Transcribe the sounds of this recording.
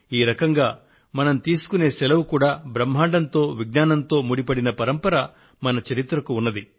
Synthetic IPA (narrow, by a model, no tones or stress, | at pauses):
iːɾɐkɐŋɡaː | mɐnɐmt̪iːsu̥kune̞ːsɛlɐʋukuːɽaːbɾɐm̤ːaːɳɖɐnt̪o̞ːʋiɡ̚naːnɐnt̪o̞ːmuɽipɐɽinɐpɐɾɐmpɐɾɐ | mɐnɐt͡ʃɐɾit̪ɾɐkuunːɐd̪i